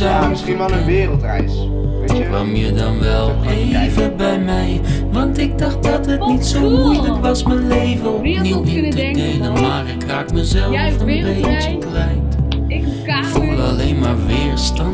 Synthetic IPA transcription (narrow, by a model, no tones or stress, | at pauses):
amsinaləɪːrəlˠtrɛjs | kkʋɑ̰mjədɑnʋɛlˠ | ejvəbɛjmɛj | ʋɑntɪɡ̚dɑxt̚dɑtɦətnitsowmmujləkʋɑsmənlejvəɔpniwitədejnəmaːrɪkraːkməzɛlˠfənbejtəklɛjt | ɪkfulɑlejnmaːɹʋɪːɹstɑn